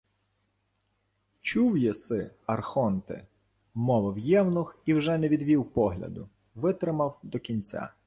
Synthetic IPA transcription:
t͡ʃuwjɛsɪɐrxɔnt̪ɪ̰ | mɔʋɐwjɛwnʊxiwʒɛnɛʋʲid̪ʋʲiwpɔɦlʲɐ̰d̪ʊ | ʋɪt̪ɾɪmɐwd̪ɔkʲinʲt͡sʲa̰

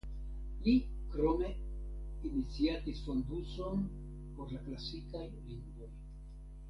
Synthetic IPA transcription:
li | kɾo̞me̞ | init͡siatisfo̞nduso̞n | po̞ɾlaklasikajliŋɡvo̞j

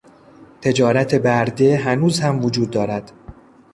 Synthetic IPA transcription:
t̪ʰe̞d͡ʒɒːɾæt̪ʰe̞bæɾd̪e̞ɦænuːzhæmvod͡ʒuːd̪ːɒːɾæd̪̥

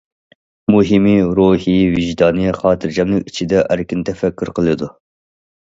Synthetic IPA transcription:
muɦimiɾuhiviʒd̪ɑːnɨχɑːt̪ʰɨɾd͡ʒɛmnɨŋit͡ʃʰid̪ɛʔæɾkʲint̪ʰɛfɛkʲːyɾqʰəlˠɨd̪u

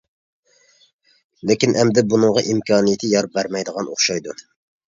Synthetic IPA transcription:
lɪkʲinʔɛmd̪ɪbunɨŋʁɑʔimkʰɑːnijt̪ʰɪjɑɾp̚bæɾmɛjd̪əʁɑno̰χʃɑjd̪u

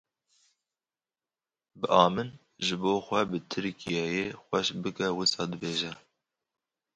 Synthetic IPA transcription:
bɨʔɑːmɨn | ʒɨboːxʷɛbɨt̪ʰɨɾkijɑjexʷɛʃbɨkɛwɨsɑːd̪ɨbeːʒɛ

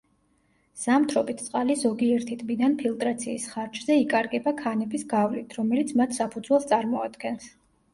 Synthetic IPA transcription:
z̥amt̪ʰɾɔbit̪ʰt̪sʼqʼalizɔɡiɛɾt̪ʰit̪ʼbid̪anpʰilˠt̪ʼɾat̪sʰiːsχaɾd͡ʒzɛikʼaɾɡɛbakʰanɛbisɡavlit̪ʰɾɔmɛlit̪sʰmat̪ʰsapʰud̪zwɛlˠst̪ʼaɾmɔad̪ɡɛns

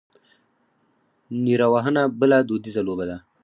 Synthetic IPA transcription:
niɾawaɦənabəlad̪od̪izalobad̪a

